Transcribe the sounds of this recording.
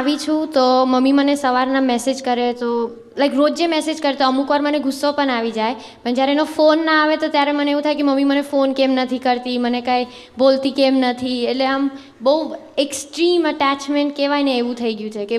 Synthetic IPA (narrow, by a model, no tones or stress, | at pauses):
aʋit͡ʃʰũt̪oməmimənesəʋaɾnamɛsed͡ʒkəɾet̪o | lajkɾod͡ʒemɛsed͡ʒkəɾet̪oəmukʋaɾməneɡʱʊsːopəɳaʋid͡ʒaj | pəɳd͡ʒjaɾeenofonːaaʋet̪ot̪jaɾeməneeʋũt̪ʰajkeməmimənefonkemnət̪ʰikəɾt̪imənekai | bolt̪ikemnət̪ʰieʈleam | bəueksʈɾiməʈat͡ʃmeɳʈ̚keʋajneːʋũt̪ʰəiɡjũt͡ʃʰeke